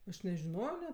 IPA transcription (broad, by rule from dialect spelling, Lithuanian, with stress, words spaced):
ɐʃ nʲɛʒʲɪˈnoːjoː nʲɛt